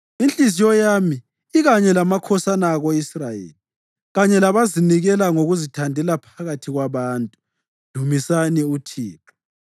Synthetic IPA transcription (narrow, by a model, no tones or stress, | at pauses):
int͡ɬʼizijɔjamiː | ɣaɲɛlamakʰɔsanaːɣoisrajḛːli | ɣaɲɛlaβaziniɣɛlaŋoɣuzitʰandʱɛlapʰaɣatʰiɣwaβaːntʼu̥ | d̥ʱumisaniutʰiːtʰɔ̥